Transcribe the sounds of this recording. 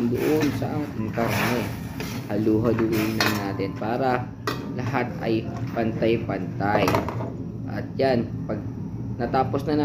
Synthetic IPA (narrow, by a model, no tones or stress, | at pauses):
nd̪ʊʔonsɐ̰ʔaɪŋkaɾnoɛ | hɐluːɦɐlʊʔonlɐŋnaːt̪ɛnpaːɾɐ | lɐɦat̪̚ʔɐ̰jpɐnt̪ajpɐnt̪aj | ʔɐ̰t̪̚janpɐɡ̚ | nɐt̪aːposnɐn